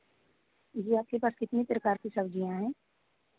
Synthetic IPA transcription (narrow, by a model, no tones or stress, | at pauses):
jeːaːp̚kepaːskɪt̪nipɾəkaːɾkisɐbd͡ʒijãɦɛ̃ː